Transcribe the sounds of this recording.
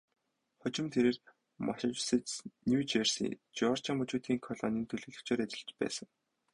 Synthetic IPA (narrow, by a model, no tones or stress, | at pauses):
χʊt͡ɕɪ̆mt̪ʰeɾeːr | maʃɪ̆t͡ɕwsĕt͡ɕnʲuːt͡ɕersḭːt͡ɕɔr̥t͡ɕaŋmɵt͡ɕuːt̪iːŋkʰɔɮɔ̰niːnt̪ʰɵɮɵ̆ːɮɵ̆kt͡ɕʰoːɾæt͡ɕʲɪ̆ɮt͡ɕpæ̰ːsə̆ŋ